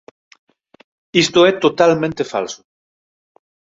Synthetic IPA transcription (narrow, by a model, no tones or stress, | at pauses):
ist̪oɛt̪ot̪almẽnt̪efa̰lso̥